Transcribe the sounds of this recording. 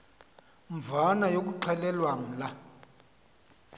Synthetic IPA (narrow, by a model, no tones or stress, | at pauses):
ɱvʱanajok̬uǃʰɛlɛlwaŋ̩la